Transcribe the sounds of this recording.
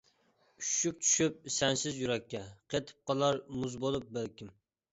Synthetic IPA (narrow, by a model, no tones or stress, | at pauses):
yʃyk̚ʲt͡ʃʰy̥ʃyp̚sɛnsɪzjuɾɛkʲʰːɛqʰet̪ʰɪ̥p̚qɑlˠɑɾmuzbolˠɨp̚bɪɾkʲɪm